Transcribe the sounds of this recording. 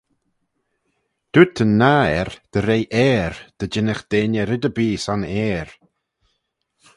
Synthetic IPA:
d̪̥ut̪ʰənːaɛɾd̪̥əɾejʔɛːɾd̪̥əd͡ʒɪnəxd̪̥eːnʲəɾɪd̪əbiːsanɛːɹ

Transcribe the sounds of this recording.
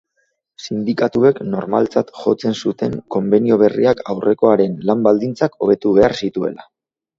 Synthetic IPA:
sind̪ikat̪ue̞kno̞ɾma̰lt͡sat̪xo̞t͡se̞nsut̪e̞ŋko̞mbenio̞β̞e̞rḭaka̰wrʔe̞ko̞aɾe̞nlambald̪int͡sako̞β̞e̞t̪uβe̞aɾsit̪ue̞̰la

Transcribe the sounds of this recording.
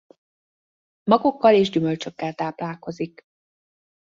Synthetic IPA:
mɒɡo̞kːɒleːʒɟymø̞lt͡ʃø̞kːɛlt̪aːplaːlko̞zik

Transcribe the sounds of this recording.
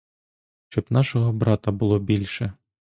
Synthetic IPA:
ʃt͡ʃɔbnɑʃɔɦɔbɾɑt̪ɐbʊlˠɔbʲilʲʃɛ

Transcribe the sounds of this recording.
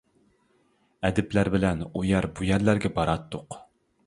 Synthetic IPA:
ɛd̪ɪplæɾbɪlɛnujɑɾbujæɾlæɾɡʲɛbɑɾɑt̪ːoq

